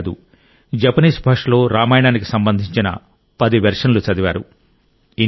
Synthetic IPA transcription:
d̪ṵ | d͡ʒɐpɐniːsbʱɐʂlo̞ːɾaːmaːjɳaːniki̥sɐmbɐnd̪ʱiɲt͡ʃinɐ̰ | pɐd̪iʋɐɾʂɐnlut͡ʃɐd̪iʋaːɾṵ | i

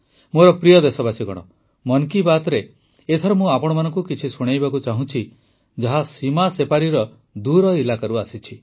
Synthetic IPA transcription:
moɾɔpɾijɔd̪esɔbasiɡɔ̰ɽ̃ɔ̰ | mɔnkibat̪ɾe | et̪ʰɔɾɔmũapɔɽ̃ɔmanɔ̃ŋkukit͡ʃʰisuɽ̃ajbakut͡ʃaɦũt͡ʃʰi | d͡ʒaɦasimasepaɾiɾɔ | d̪uɾɔilakaɾuasit͡ʃʰi

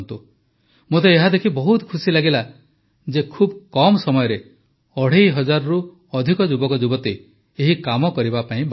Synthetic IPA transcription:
nt̪u | mot̪eːɦad̪ekʰibɔɦut̪ɔ̥kʰusilaɡila | d͡ʒekʰubkɔmɔsɔmɔjɔɾe | ɔɽ̤ejɦɔd͡ʒaɾɔɾu | ɔd̪ʱikɔd͡ʒubɔkɔd͡ʒubɔt̪i | eɦikamɔkɔɾibapaĩb

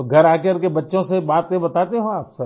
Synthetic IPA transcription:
ɡʱɐɾaːkeɾkebɐtːʃõsebaːt̪ẽbɐt̪aːt̪eɦõaːpsɐ

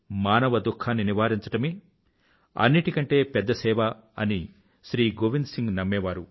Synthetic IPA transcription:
maːnɐʋɐd̪ukʰːaːnːiniʋaːɾiɲt͡ʃɐ̥ʈɐmi | ɐ̰nːiʈikɐɳʈe̞ːpɛd̪ːɐsɛːʋɐɐ̰ni | ʃɾiːɡoʋinsiŋɡnɐmːɛːʋaːɾu

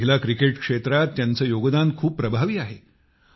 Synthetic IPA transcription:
ilakɾikeʈkʂet̪ɾat̪ːjant͡səːjoɡd̪ankʰuːpːɾəbʱaʋiːaɦe

